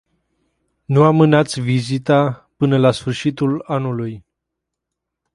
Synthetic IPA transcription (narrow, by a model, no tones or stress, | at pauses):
nuamɨnat̪sʲvizit̪apɨnəlasfɨrʃit̪ulanuluj